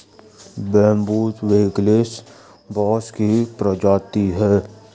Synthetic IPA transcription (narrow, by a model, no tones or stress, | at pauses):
bɛːmbuːt̪ʋeːɡleːs | bɔːskipɾəd͡ʒaːt̪iɦɛː